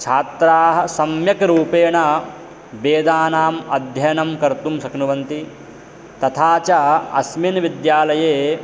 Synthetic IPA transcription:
t͡ʃʰaːt̪ɾaːɦɐ̆sɐmjɐkɐɾuːpeːɳɐ | beːd̪aːnaːmɐd̪ʱjɐjnɐmkɐɾt̪umsɐknuʋɐnt̪i | t̪ɐt̪ʰaːt͡ʃɐɐsminʋid̪jaːlɐjeː

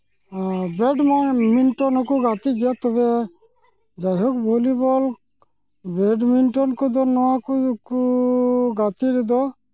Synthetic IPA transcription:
bɛɖmaminʈɔnɔkuɡat̪iɡɛjɔt̪ɔbɛ | d͡ʒajɦɔk̚bʱolibɔl | bɛɖminʈɔnkɔd̪ɔnɔwakuku | ɡat̪iɾɛd̪ɔ

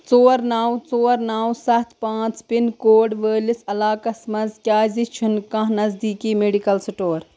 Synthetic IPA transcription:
t͡soːɾnaːwt͡soːɾnaːwsɐt̪ʰpãːt͡spinkoːɖʋəːlisɐlaːkɐsmɐnd͡zkʲaːzit͡ʃʰunkãɦnɐzd̪iːkimeːɖikɐlsiʈoːɾ

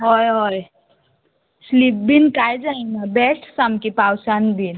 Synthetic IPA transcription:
ɦojɦoj | slip̚binkajd͡ʒainabesʈsamkipawsanbʱin

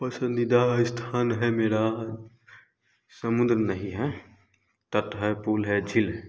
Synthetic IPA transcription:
pəsənid̪aɪst̪ʰaːnɦɛmeːɾa | səmʊ̃nd̪ɾənəɦĩɦɛ | t̪ət̪ɦɛpuːlɦɛd͡ʒʱilɦɛ

